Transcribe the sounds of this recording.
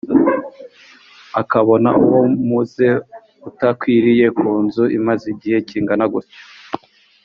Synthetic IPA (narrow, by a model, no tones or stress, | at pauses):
akaβo̞na̰ṵwomuze̞ | utakwiːɾije̞kʰuːnzuʔimaziɟihe̞ciːŋɡanaɡuɾto̥